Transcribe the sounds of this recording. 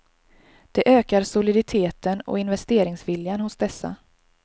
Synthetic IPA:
d̪̥ɛʔøːkaɾsʊlɪd̪ɪt̪ʰeːt̪ənɔ̰ɪnvɛst̪eːɾɪŋsvɪljanhʊsd̪ɛsːa̰

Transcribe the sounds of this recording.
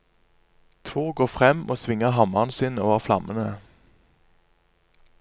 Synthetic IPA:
t̪ʰoːɡoːfʁɛmo̰ːsʋɪŋəɦɑmɑʁnsɪːnoːʋəʁflɑmʔənə

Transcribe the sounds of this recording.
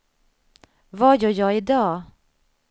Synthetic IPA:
vajœːjɑːɪd̪ɑː

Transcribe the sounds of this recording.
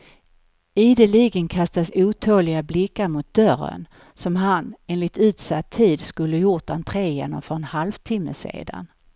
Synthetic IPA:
iːd̪əliːɡənkʰast̪asuːt̪ʰoːlɪɡablɪkːaɾmʊt̪̚d̪̥œrə̰n | sɔmɦaneːnlɪt̪ʉ̟ːt̪sat̪ʰːiːd̪skɵlːəjʊʈdant̪ʰɾeːjḛnɔmfœɾɛnhalvt̪ʰɪmːə̰sḛːd̪a̰n

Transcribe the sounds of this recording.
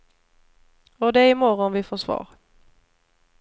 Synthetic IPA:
ɔd̪ɛæɾɪmɔɾɔnvɪfoːʂvɑ̰ːɾ

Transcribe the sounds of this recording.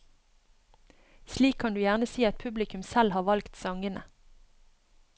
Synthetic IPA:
ʃliːkʰːɑnd̪ʉːjæʁnəsiːɑt̪̚pʰʉblɪkʉmsælhɑːʋɑlkt̪sɑŋənə

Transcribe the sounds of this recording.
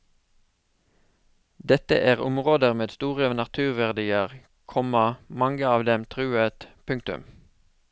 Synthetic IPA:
d̪ɛt̪ə̰ʔæːʁʊmʁoːd̪əʁmeːd̪st̪uːʁəoːnɑt̪ʰʉːʁʋæʁd̪iːəʁ | kʰɔməmɑŋɡəɑːʋd̪ɛmt̪ʰʁʉːət̪pʰʉŋkt̪ʉ̰m

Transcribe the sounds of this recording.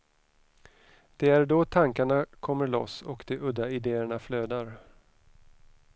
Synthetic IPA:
d̪̥ɛæɾɖɔt̪ʰaŋkaɳakʰɔmːəɭɔ̰sɔkd̪̥ɛʔɵd̪ːaɪd̪eːəɳafløːd̪aɾ

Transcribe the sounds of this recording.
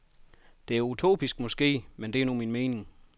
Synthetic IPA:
d̥e̝æɐut͡sʰo̝̰ːb̥isɡ̥mɒ̽sɡ̥e̝̰ːmend̥e̝æɐnuminme̝ːnɪ̝ŋ

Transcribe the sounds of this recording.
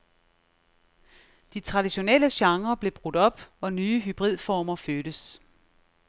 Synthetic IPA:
d̥it͡sʰʁɑ̈d̥iɕo̝neləɕɑ̈ŋʁɐb̥le̝b̥ʁud̥ɒ̽b̥ɒ̽nyːɦyb̥ʁið̞̰ˠfɒːmɐføːɾ̥əs

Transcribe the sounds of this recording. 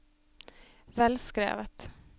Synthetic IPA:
vɛlskɾḛːvət̪

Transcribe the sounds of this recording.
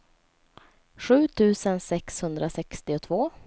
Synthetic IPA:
ɧʉ̟ːt̪ʰʉ̟ːsənsɛkshɵnd̪ɾʔasɛkst̪ɪʊt̪ʰvoː

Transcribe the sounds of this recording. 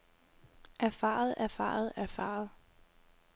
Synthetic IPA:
ʔæɐfɑ̰̈ːð̩ˠʔæɐfɑ̰̈ːð̩ˠæɐfɑ̰̈ð̩ˠ

